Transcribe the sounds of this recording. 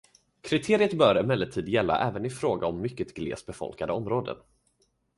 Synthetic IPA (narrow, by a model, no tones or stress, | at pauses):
kʰɾɪt̪ʰeːɾɪət̪bœːɾɛmɛlːəʈʰiːd̪jɛlːa̰ʔɛːvənɪfɾoːɡaɔmːʏkːət̪ɡlḛːsbɛfɔ̰lkad̪əɔmɾoːd̪ə̰n